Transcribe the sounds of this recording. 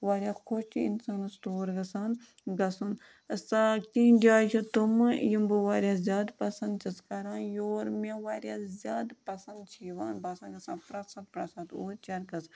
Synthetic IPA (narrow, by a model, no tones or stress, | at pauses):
ʋaːɾjaːkʰot͡ʃḭnsaːnɨst̪oːɾɡɐsaːn | ɡɐsun | sakʲĩːd͡ʒaːt͡ʃʰut̪umjimbɨʋaːɾʲjaːzʲjaːd̪pɐsɐ̃nd̪t͡ʃʰɐskɐɾãːnjoːɾmeʋaːɾjaːzʲjaːd̪pɐsɐ̃nd̪t͡ʃʰiːʋaːnbasaːɡɐsãːnpɾɐsɐd̪̚pɾɐsad̪o̰ːɾt͡ʃɐɾkɐs